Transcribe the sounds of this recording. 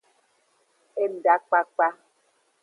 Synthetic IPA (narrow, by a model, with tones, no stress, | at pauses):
e˦n̩˨da˦k͡pa˦k͡pa˦